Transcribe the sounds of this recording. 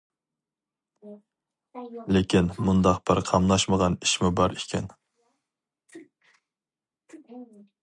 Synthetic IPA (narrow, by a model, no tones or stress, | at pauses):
lekʲʰinmund̪ɑqb̥ɪɾqʰɑmnɑʃməʁɑniʃmubɑɾikʲʰɛ̰n